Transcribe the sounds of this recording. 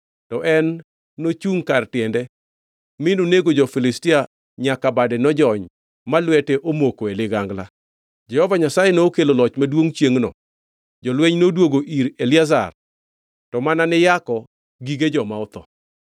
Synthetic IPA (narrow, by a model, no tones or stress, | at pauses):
tɔʔɛnː | ot͡ʃuŋkartɪɛndɛ | mɪnoneɡod͡ʒɔfilɪstia | ɲakabadɛnɔd͡ʒɔɲ | malwɛteʔomokoelɪɡaŋɡla̰ | d͡ʒɛhɔvaɲasajenookelolɔt͡ʃmadwoŋt͡ʃjeŋnɔ̰ | d͡ʒɔlweɲnodwoɡoʔiɾelɪaza̰r | tɔmananɪjakɔ | ɡiɡed͡ʒɔmaɔt̪ɔ̰